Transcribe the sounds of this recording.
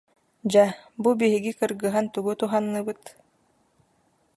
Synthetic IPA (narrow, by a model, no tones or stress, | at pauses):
d͡ʑabubiɦiɡikɯɾɡɯɦant̪uɡut̪uɦanːɯbɯt̪